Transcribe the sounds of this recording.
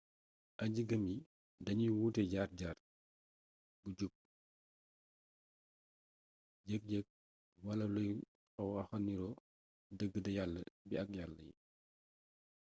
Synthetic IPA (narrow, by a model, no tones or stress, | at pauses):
ʔɐɟəɡəmji | dɐɲiwuːtɛɟaːr̚ɟaːr | buɟuk̚ː | ɟək̚ɟɛk̚ | wɐlɐluj | ɔwɐxɐnːiɾɔ | dəɡːədɐjalːəbiɐk̚jalːəjḭ